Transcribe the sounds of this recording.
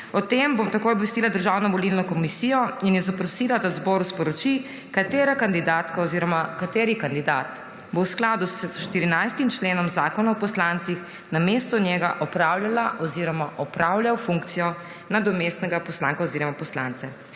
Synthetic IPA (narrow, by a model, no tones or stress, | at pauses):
ɔt̪embomt̪ɐkoːjɔbʋɛst̪iːlad̪əɾʒawnɔʋɔlilnɔkɔmisiːjɔinjɛzapɾɔsilad̪azbɔːɾuspɔɾɔt͡ʃi | kat̪eːɾakand̪id̪at̪kaɔziɾɔmakat̪eːɾikand̪id̪aːt̪ | bowsklad̪usʃt̪iɾinajst̪imt͡ʃleːnɔmzaːkɔnaɔpɔslant̪six | namest̪ɔnjɛɡaʔɔpɾaːwljalaʔɔziːɾɔmaʔɔpɾawlʲjawfuŋkt̪sijɔ | nad̪ɔmest̪nɛɡapɔslãːŋkaɔziɾɔmapɔsla̰nt̪sɛ